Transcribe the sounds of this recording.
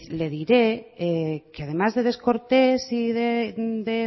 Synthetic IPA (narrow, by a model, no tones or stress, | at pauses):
leðiɾe̞ekeað̞e̞mazðe̞ð̞e̞sko̞ɾt̪esiðed̪e